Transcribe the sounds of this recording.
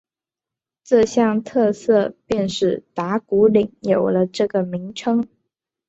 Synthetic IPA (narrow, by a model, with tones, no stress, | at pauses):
ʈ͡ʂɤ˥˧ɕjɑ˥˧ŋt̪ʰɤ˥˧sɤ˥˧pjɛ˥˧nʂɻ̩˥˩t̪a˧˥ku˧˥li˨˩ŋjo˨˩ʊlə˦ʈ͡ʂɤ˥˩ɡə˩mi˧˥ŋʈ͡ʂʰɤ˥ŋ